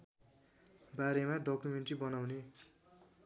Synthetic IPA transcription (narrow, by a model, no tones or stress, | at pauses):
baɾemaɖʌkumeɳʈribʌnawne